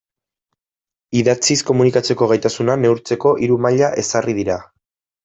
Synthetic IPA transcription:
iðat͡sisko̞munikat͡se̞ko̞ɣ̞ajt̪asunane̞uɾt͡se̞ko̞ʔiɾumaʎaʔe̞sarið̞iɾa

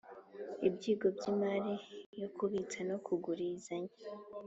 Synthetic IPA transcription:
ibɟiːɡo̞bɟimaɾijokuβit͡sanokʰuɡuɾiːzaɲa

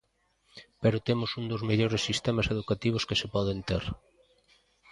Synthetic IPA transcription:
peɾʊt̪emʊsund̪ozmeʎoɾesːist̪emaseð̞ukat̪iβ̞ʊskesepɔð̞ent̪eɾ

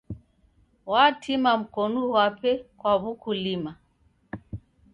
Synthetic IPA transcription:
watʰimam̩kɔnuwapɛkwaβukulima

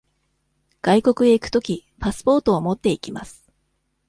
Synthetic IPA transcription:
ɡ̥aiko̞kɯ̟d̪e̞ikɯ̟̥t̪o̞kʲipasɨ̥po̞ːt̪o̞ːmo̞t̪ːe̞ikʲimasɨ̥

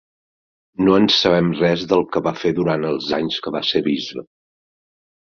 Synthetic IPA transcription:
noənsəβɛmrɛzðəlˠkəβafeðuɾanəlˠzaɲskəβaseβizβə

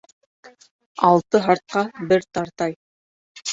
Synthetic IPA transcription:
ɑlˠt̪ɤɦɑɾt̪̚qɑbɘɾt̪ɑɾt̪ɑj

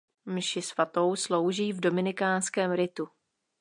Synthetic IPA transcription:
mʃɪsvat̪o̞wslo̞wʒiːvdo̞mɪnɪkaːnskɛːmɾɪt̪u

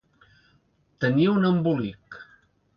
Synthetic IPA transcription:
t̪əniunəmbulik

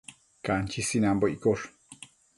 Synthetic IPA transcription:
kant͡ʃisinamboʔikoɾ

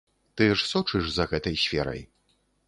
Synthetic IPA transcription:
t̪ɨɛʂsɔt͡ʂɨʂzɐɣɛt̪ɐjsʲfʲɛ̰ɾɐ̰j

